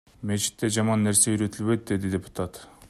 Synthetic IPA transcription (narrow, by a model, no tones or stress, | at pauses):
met͡ʃɪ̥t̪ːe̞ʒɑmɑnːeɾse̞yɾe̞t̪ʰɪlbe̞d̪ɪd̪e̞d̪ɪd̪ʲe̞pu̥t̪ʰat̪